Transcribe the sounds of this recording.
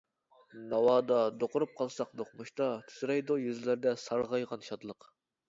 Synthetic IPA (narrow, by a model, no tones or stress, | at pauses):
nɑwɑːd̪ɑd̪oqʊɾup̚qʰɑlˠsɑqd̪oqmuʃt̪ɑt̪ʰy̥zɾɛjd̪ojyzlɪɾd̪ɛsɑɾʁɑjʁɑnʃɑt̪lˠəq